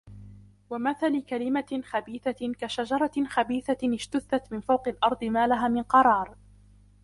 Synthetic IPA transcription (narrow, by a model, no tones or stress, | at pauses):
wamaθalɪkalɪmaxabiːθakaʃad͡ʒɑɾˤɑxabiːθaɪʃt̪ʊθːat̪mɪnfawqɑlʔɑɾˤd̪ˤɨmaːlaɦaːmɪnqɑɾˤɑːɾˤ